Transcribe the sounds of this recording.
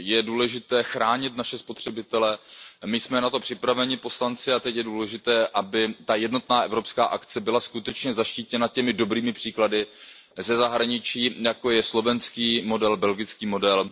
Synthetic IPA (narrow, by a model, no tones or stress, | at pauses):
jɛduːlɛʒɪt̪ɛːxɾaːɲɪt̪naʃɛspot̪r̝̥ɛbɪt̪ɛlɛmɪsmɛnat̪o̞pr̥ɪpɾavɛɲɪpo̞slant͡sɪat̪ɛcjɛduːlɛʒɪt̪ɛːʔabɪt̪ajɛdno̞t̪naːʔɛvɾo̞pskaːʔakt͡sɛbɪlaskut̪ɛt͡ʃɲɛzaʃciːcɛnacɛmɪdo̞bɾiːmɪpr̝̥iːkladɪ | zɛzaɦɾaɲɪt͡ʃiːjakojɛslo̞vɛnskiːmo̞dɛlbɛlɡɪt͡skiːmo̞dɛl